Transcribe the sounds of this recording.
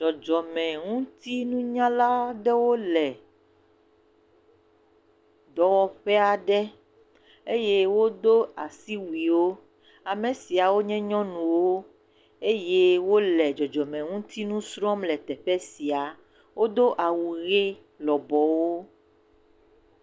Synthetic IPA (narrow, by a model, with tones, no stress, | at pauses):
d͡ʒɔ˨d͡ʒɔ˨mɛ̃˨ŋũ˦t̪i˦nũ˦ɲã˦la˦ɖɛ˦wo˦lɛ˨ | d̪ɔ˨wɔ˨ɸɛ˦a˨ɖɛ˦ | e˦jɛ˦wo˦d̪o˦a˨si˦wi˨wo˦ | a˨mẽ˨si˨a˨wo˦ɲɛ̃˦ɲɔ̃˦nũ˨wo˦ | e˦jɛ˦wo˦lɛ˨d͡ʒɔ˨d͡ʒɔ˨mɛ̃˨ŋũ˦t̪ʰi˦nũ˦sɾɔ˦mlɛ˨t̪ɛ˨ɸɛ˦si˨a˨ | wo˦d̪o˦ʔa˨wu˨ɣe˦ | lɔ˨bɔ˨wo˦